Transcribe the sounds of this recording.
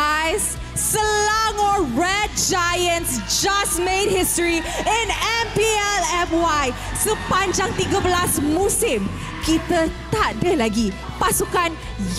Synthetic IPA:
sː | əlaŋɔɹɛd̚d͡ʒajə̃nsd͡ʒasmẽd̚histɹiĩnɛmpiɛlɛmwaj | səpaɲd͡ʒaŋt̪iɡəbəlasmũsɪm | kit̪ət̪adəlaɡi | pasukan

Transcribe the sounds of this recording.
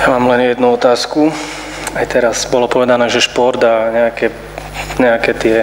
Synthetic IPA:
jamaːmlɛnjɛd̪nuɔt̪aːsku | ajt̪ɛɾazbɔlɔpɔʋɛd̪anɛːʒɛʃpɔɾd̪aːɲɛakɛ | ɲɛakɛt̪ɪɛ

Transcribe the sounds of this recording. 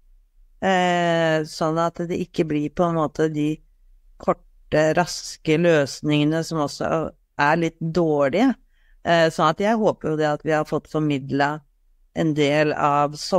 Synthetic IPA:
sɔnːɑt̪d̪ɛʔɪkːəblɪɾpʰɔɛnmoːt̪ʰəd̪ɪ | kʰɔʈːəɾɑskəløːsnɪŋənəsɔmɔsːɔ̰ | æɾɭɪt̪ːd̪oːɭɪə | sɔnɑt̪jæɪɦoːpəɾjʊd̪ɛɑt̪ʋɪhɑɾfɔt̪ːfɔɾmɪd̪lə | ʔɛnd̪eːlɑʋsɔ

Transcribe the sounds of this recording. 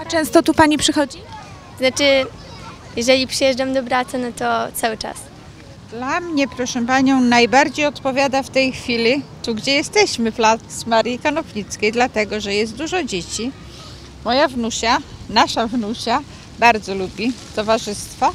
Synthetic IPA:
at͡ʂɛ̃st̪ɔt̪upaɲipʂɘxɔd͡ʑi | t̪ɔznat͡ʂɘ | jɛʐɛlʲipʂɨjɛʐdamd̪ɔbɾat̪sɨnɔt̪ɔt̪sawɘt͡ʂa̰s | d̪̥lamɲɛpɾɔʂɛ̃paɲɔ̃w̃najbaɾd͡ʑejɔt̪pɔvʲjad̪aft̪ɛjxfʲilʲit̪uɡd͡ʑɛjɛst̪ɛɕmɘvlat̪smaɾjikanɔvɲit̪skʲejd̪lat̪ɛɡɔʐɛjɛst̪̚d̪uʐɔd͡ʑet͡ɕi | mɔjavnuɕanaʂavnuɕa | baɾd̪zɔlubʲit̪ɔvaʐɘst̪fa

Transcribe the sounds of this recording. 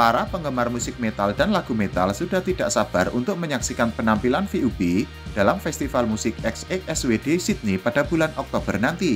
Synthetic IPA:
paɾapəŋɡəmarmusɪk̚met̪aldanlaɡ̥umet̪a̰lsud̥aht̪idaʔsab̥arunt̪ʊk̚məɲaksikanpənampilanfiʔube | d̥alamfɛst̪ifalmusɪk̚ɛksɛkɛswedesit̪̚nipad̥abulanʔɔk̚t̪ob̥ərnant̪i

